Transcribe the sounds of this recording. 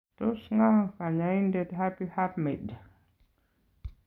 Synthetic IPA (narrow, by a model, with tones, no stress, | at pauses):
to˦sŋa˦ŋka˨ɲa˨i˦nde˦dɦa˦pi˦ha˦pme˨d